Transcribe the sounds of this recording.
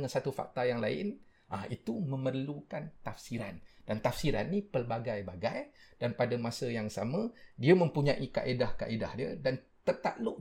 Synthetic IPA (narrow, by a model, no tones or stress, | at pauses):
ŋansat̪ufa̰k̚t̪ajaŋlaɪ̰n | ʔait̪umə̃mərlukant̪afsiɾand̥ant̪afsiɾa̰nːipəlbaɡajbaɡajd̥anpadamãsəjaŋsamə̃diəmə̃mpuɲãʔika̰ʔedahka̰ʔedahdiə̰dan | t̪ət̪a̰ʔloʔ